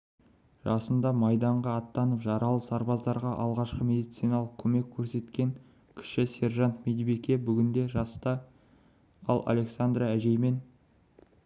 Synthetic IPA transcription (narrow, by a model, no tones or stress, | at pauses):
ʒ̥ɑsənd̪ɑmɑjd̪ɑɴʁɑːt̪ːɑnəpʒɑɾɑlˠəsɑɾbɑzd̪ɑɾʁɑʔɑlˠʁɑʃqəme̞d̪ijt̪sijnɑlˠəq̚kʰɵme̞kʲʰːɵɾse̞t̪kʲe̞ŋ | kʲʰʏ̥ʃɪse̞rʒant̪med̪ibekʲe̞bʏɡʲɪnd̪e̞ʒɑst̪ɑ | ɑlˠa̰le̞ksand̪ɾaæʒe̞jme̞n